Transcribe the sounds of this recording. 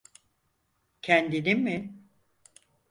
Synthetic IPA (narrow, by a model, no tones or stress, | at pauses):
cʰɛnd̪inimːɪ